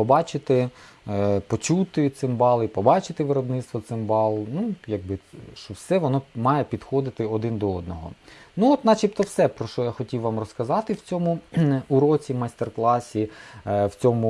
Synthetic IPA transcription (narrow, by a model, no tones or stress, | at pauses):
pɔbɑt͡ʃɪt̪ɪ | pɔt͡ʃut̪ɪt̪sɪmbɑlˠipɔbɑt͡ʃɪt̪ɪʋɪɾɔbnɪt̪st̪ʋɔt̪sɪmbɑlˠnujɐɡ̚bɪʃt͡ʃɔwsɛʋɔnɔmɑjepʲid̪xɔd̪ɪt̪ɪɔd̪ɪnd̪ɔɔd̪nɔɦɔ̰nuɔt̪nɑt͡ʃip̚t̪ɔwsɛpɾɔʃɔjaxɔtʲiwʋɑmrɔskɐzɑt̪ɪwt͡sʲɔmʊuɾɔt͡sʲimɑsʲt̪erklˠɑsʲiwt͡sʲɔmʊ